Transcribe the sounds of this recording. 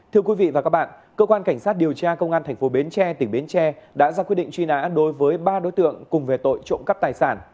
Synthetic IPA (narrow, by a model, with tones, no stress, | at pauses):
t̪ʰɨ˧əkwi˨˦vḭ˧˨vaː˨˩kaː˦˥ɓa̰ː˧˨n | kəː˧kwaː˧nka˧˩ŋ̟saː˦˥t̚ɗi˨˩əwt͡ɕaː˧kə˧wŋ͡mʔaː˧nt̪ʰɛ˨˩ŋ̟fo˨˦ɓi˨˦nt͡ɕɛ˧t̪ï˧˩ŋ̟ɓi˨˦nt͡ɕɛ˧ɗa̰ː˧˥zaː˧kwi˦˥ɗḭ˧˨ŋt͡ɕwi˧na̰ː˧˥ɗo˨˦jvəː˨˦jɓaː˧ɗo˧˦jt̪ɨ̰˧˨əŋkʊ˨˩ŋ͡mve˨˩t̪o̰˧˨jt͡ɕo̰˧˥ŋ͡mkə˦˥p̚t̪aː˨˩jsaː˧˩n